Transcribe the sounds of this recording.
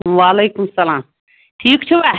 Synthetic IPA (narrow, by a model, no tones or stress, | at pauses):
ʋaːleːkumsɐlaːm | ʈʰiːkt͡ʃʰuba